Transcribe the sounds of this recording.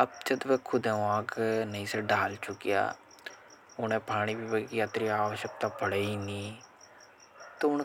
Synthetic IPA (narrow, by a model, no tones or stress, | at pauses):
əb̚d͡ʒəd̪ʋekʰʊd̪ɛ̃ːãːknəĩːsəɖaːlt͡ʃʊkija̰ː | ʊnɛːpaːɳ̃iːbiːbəkijaːt̪ɾiːaːʋəʃək̚t̪aːpəɽəiːniː | t̪oʊn